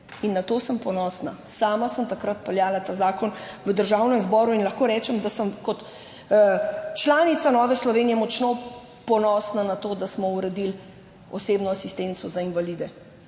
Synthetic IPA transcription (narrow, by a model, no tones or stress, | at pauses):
inːat̪oːsəmpɔnɔːsna̰saːmasəmt̪akɾat̪̚pɛljaːlat̪aːzaːkɔnʋəd̪əɾʒawnɛmzbɔːɾuinlaxkoːɾɛːt͡ʃɛmd̪asəmkɔt̪ | t͡ʃlaːnit̪sanɔːʋɛslɔʋeːnijɛmɔt͡ʃno | pɔnɔːsnanat̪oːd̪asmɔuɾɛd̪il | ɔseːbnɔasist̪ent̪sɔzainʋalid̪ɛ